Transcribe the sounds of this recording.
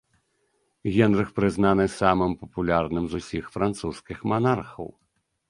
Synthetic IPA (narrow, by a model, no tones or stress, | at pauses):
ɣʲɛnrɨxpɾɨznanɨsamɨmpɐpulʲarnɨmzusʲixfɾant̪suskʲixmanarxɐ̰w